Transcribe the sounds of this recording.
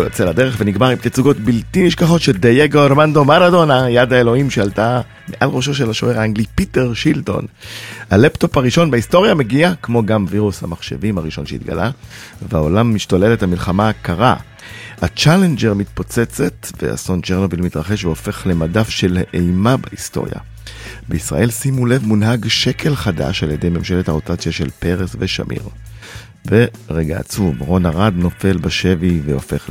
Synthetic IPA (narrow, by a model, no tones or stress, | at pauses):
jot͡selad̪e̞ʁeχveniɡmaʁimtet͡suɡo̞tbiltiniʃkaχo̞tʃe̞dajeɡooɾmando̞maʁado̞najadaelo̞imʃealta | meʔalʁo̞ʃo̞ʃelaʃo̰eʁaaŋɡlipite̞ʁʃilto̞̰nhalepto̞paʁiʃo̞nbeisto̞ʁijame̞ɡiakmo̞ɡamviʁusha̰maχʃe̞̰vimhaʁiʃo̞nʃeḭt̪ɡa̰lʔa̰vea̰o̞lamːiʃtole̞lethamilχamaːkaʁa̰ | hat͡ʃale̞nd͡ʒeʁmit̪̚po̞t͡se̞t͡se̞t̪vea̰sont͡ʃeʁno̞vilmitʁaχe̞ʃveo̞fe̞χle̞madafʃe̞lʔejmabaisto̞̰ʁja̰ | beisʁa̰ʔe̞lsimule̞vmunɦaɡʃe̞kʰe̞lχada̰ʃaljede̞jmemʃe̞lethaʁo̞tat͡sjaʃelpe̞ʁesveʃa̰mʔḭʁ | veʁeɡa̰ːt͡suvʁo̞naʁad̪no̞fe̞lbaʃe̞viveofe̞χl